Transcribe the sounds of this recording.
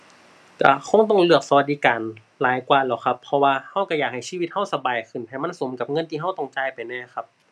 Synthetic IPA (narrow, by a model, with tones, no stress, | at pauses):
ka̰˧˩kʰɔ˧˥˨ŋt̪ɔ˧˩ŋlɯ˧˩ək̚sa˧wa˧t̪̚diː˧kaː˨˩n | laː˨˦jkwaː˧lɛ˧˩wxʰa˧pʰːɔ˧waː˧ha˧˥˩wka˧˩jaː˨˩k̚ha˨˩jsiː˧˥˧i˧t̪̚ha˧˥˩wsa˧baː˨˩jkʰɯ˨˩˨npʰaː˧˨˩ma˧˥˨nso˨˦mka˧˦p̚ŋɤ˧˥˨nt̪ʰiː˧ɦa˧˥˩wt̪ɔ˧˩ŋt͡ɕaː˧˨jpa˨jnɛː˧˩xʰa˧˥p̚